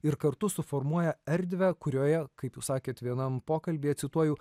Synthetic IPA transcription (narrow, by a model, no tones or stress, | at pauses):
ɪɾkɐɾt̪ʊsʊfɔɾmuɔjɛɛɾʲd̪ʲʋʲækʊɾʲoːjɛkɐɪpjuːsɑːkʲeːt̪ʋʲiɛnɐmpoːkɐlʲbʲiːɐt̪sʲɪt̪uɔjʊː